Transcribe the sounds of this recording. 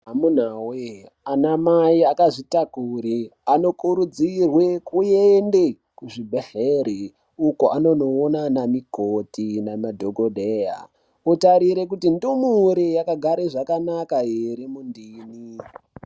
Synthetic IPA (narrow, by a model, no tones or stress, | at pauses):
ɦamun̤awe | anamaiakaʐitakuɾiano̞kuɾud͡zirwe̞kujende | kuʐibʱeheɾi | ukoʔano̞noːnanamikotinamadʱoɡodʱeja̰ | utaɾiɾe̞k̬utindumuɾejakaɡʱaɾeʐakanakajeɾimundiːni